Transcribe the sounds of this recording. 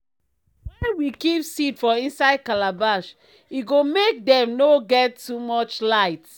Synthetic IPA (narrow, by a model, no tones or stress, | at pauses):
wɛnwikipsidfɔĩnsaɪd̚kalabaʃ | iɡomek̚dɛ̃mnoɡɛtːumɔt͡ʃlaɪt